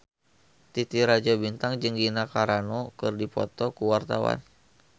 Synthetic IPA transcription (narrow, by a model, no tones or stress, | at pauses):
t̪it̪iɾad͡ʒabint̪aŋd͡ʒɨŋɡinakaɾanɔkɨrdipɔ̰t̪ɔkuwart̪awa̰n